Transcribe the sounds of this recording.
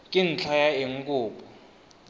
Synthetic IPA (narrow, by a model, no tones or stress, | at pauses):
kʼin̩t͡ɬʰajaeŋ̩kʼuːpʼɔ